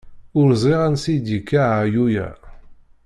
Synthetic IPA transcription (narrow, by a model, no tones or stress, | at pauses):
ʊɾzˤiʁænsid̪ikːaʕajujæ̰